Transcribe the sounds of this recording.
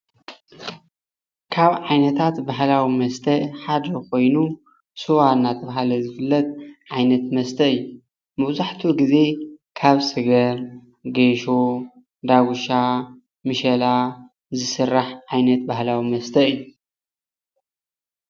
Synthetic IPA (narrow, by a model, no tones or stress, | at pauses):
kʰaβʕajnɐt̪ʰat̪baɦlawimɐst̪ʰɐħad̪ɐkʰo̞jnu | sɨwanːat̪ʰɐβɦalɐzɨfɨlːɐt̪̚ʕajnɐt̪mɐst̪ʰɐɨjːu | mɐβzaħt̪ʰuɡize̞kʰaβsɨɡɐɾ | ɡeʃo | d̪aɡuʃa | mɨʃɐla | zɨsɨrːaħʕajnɐt̪̚bahlawimɐst̪ʰɐɨjːu